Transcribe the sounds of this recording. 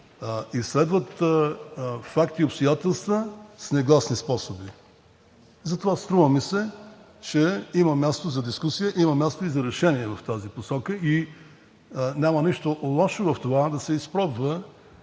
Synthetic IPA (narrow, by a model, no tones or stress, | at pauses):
islɛd̪vət̪ | fakt̪iʊpst̪ojat̪ɛlˠst̪vəsnɛɡlˠasnispɔsobi | zɐt̪ovast̪ɾuvəmisɛ | t͡ʃɛiməmʲjast̪ozɐd̪iskusijəʔimɐmʲjast̪oizɐɾɛʃɛniɛvɐft̪aziposɔkəi | nʲaməniʃt̪olˠɔʃovɐft̪ovad̪ɐsɛispɾɔbvə